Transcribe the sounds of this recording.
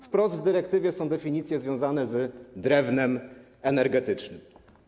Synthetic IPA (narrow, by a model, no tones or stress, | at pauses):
fpɾɔzd̪vd̪ɘɾɛkt̪ɘvʲjɛsɔ̃w̃d̪ɛfʲiɲit̪sʲjɛzvʲjɔ̃w̃zanɛzd̪ɾɛvnɛm | ɛnɛɾɡɛt̪ɘt͡ʂnɘm